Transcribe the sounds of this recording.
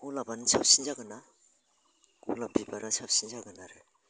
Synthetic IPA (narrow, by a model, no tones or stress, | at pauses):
kulabanɯsʰap̚sinzaɡɯna | kṵlabibaɾasap̚sinzaɡɯnaɾɯ